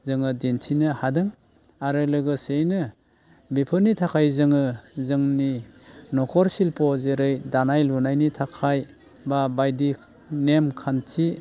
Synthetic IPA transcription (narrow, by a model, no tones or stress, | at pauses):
zɯŋɯdintʰinɯhadɯŋ | aɾɯlɯɡɯsejnɯ | bipʰɯnitʰakʰajzɯŋɯzɯŋninɔkʰɔɾsilpʰɔzeɾɯjdanajlunajnitʰakʰaj | babajdi | nemkʰantʰi